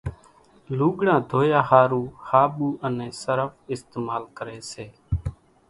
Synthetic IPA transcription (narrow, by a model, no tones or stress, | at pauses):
luːɠɽãːd̪ʱoːjaːhaːɾuːhaːɓuːʔənẽːsəɾəfɪst̪eːmaːlkəɾeːseː